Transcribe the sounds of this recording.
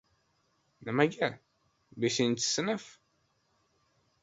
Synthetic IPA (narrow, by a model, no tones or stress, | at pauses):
næmæɡæ | bæsint̪ːə̥snəf